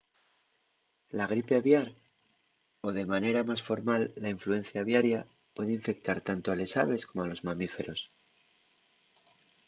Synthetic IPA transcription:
laɣ̞ɾipeaβjaɾ | o̞ðe̞mane̞ɾamasfo̞ɾmalːaiɱflue̞n̟θjaβjaɾja | pwe̞ðeiɱfe̞k̚t̪aɾt̪ant̪oale̞sa̰βe̞sko̞moalo̞zmãmife̞ɾo̞s

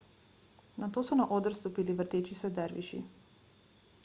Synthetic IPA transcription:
nat̪osunaʔod̪r̩st̪upiliʋr̩t̪et͡ʃisɛd̪ɛɾʋḭʃḭ

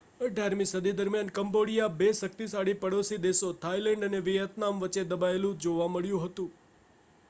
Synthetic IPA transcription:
əɖʱjaɾmisəd̪ʱid̪əɾmjankəmboɽijabesək̚t̪isaɽipəɽosid̪esot̪ʰajlɛɳɖəneʋijət̪namʋət͡ʃed̪əbaelũd͡ʒoʋaməɭjũɦət̪ũ

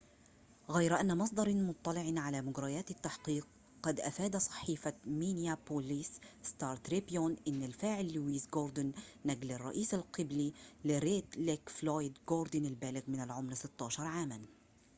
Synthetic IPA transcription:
ɣajɾʔanːamɑs̬ˤd̪ˤɑɾˤmʊt̪ˤːɑlɪʕnʕalaːmʊɡɾɑjaːt̪ɪt̪ːaħqiːq̚ː | ɑd̪ʔafaːd̪asˤɑ̥ħiːfamiːnjapoliːsst̪ɑːɾˤt̪ɾibjonʔɪnːalfaːʕɪlːuwiːsɡoːɾˤd̪ʊnːaɡlarˤːɑ̰ʔiːsalqɨblilɪɾeːt̪lekfloːjd̪ɡoːɾd̪ʊnalbaːlɪɣmɪnalʕʊmɾsɪt̪ːɑːʃɑɾˤʕaːman

